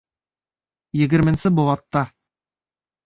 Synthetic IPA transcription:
jɘ̆ɡɘ̆ɾmɘ̆nsɘbŏlˠɑt̪ːɑ

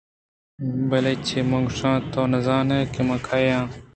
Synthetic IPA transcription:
bɐlet͡ɕʰemɐ̃ŋɡʂãːt̪oːnɐzaːnɐkemɐ̃kʰajãː

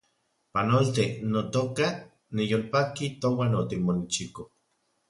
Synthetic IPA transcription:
panolt̪enot̪oka | nijolpakit̪owanot̪ikmonit͡ʃiko

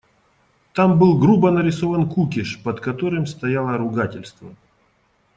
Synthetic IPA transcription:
t̪ambɨlˠɡɾubənəɾʲɪsovənkukʲɪʂpəd̪kɐt̪oɾɨmst̪ɐjalˠəɾʊɡatʲɪlʲst̪və

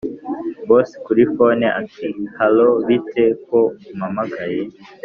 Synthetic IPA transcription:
boskuɾifoneʔa̰tʰihaloβitʰekomamakaje

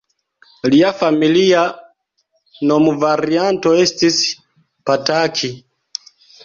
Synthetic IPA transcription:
liafamilia | nɔmuvaɾiantɔɛstis | patakʰi

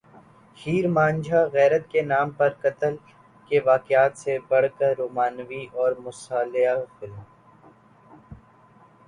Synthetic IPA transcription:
hiːɾmãːnd͡ʒʱaɣɛːɾət̪kenaːmpɐɾkɐt̪əl | keʋaːkjaːt̪sebɐɽ̤kəɾːoːmaːnʋiʔɔːɾmʊsaːlɪafɪlm

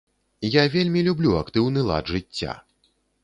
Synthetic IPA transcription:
javʲelʲmʲilʲublʲuakt̪ɨwnɨlˠa̰d̪ʐɨt͡st͡sʲːa̰

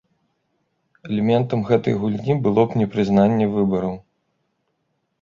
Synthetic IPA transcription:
ɛlʲɛmʲɛnt̪ɐmɣɛt̪ɐ̰jɣulʲnʲibɨlˠɔpnʲɛpɾɨznanʲːɛvɨbɐɾɐw

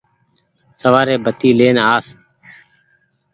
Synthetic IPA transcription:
səʋaːɾeːbʱət̪iːleːnaːs

